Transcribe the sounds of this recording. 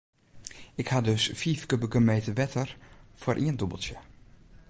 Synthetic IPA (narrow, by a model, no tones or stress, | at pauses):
ɪkhadɵsfiːfkøbəkəmeːtəʋɛtʰəɹfʊːɾʔiəndɔbəlˠtjə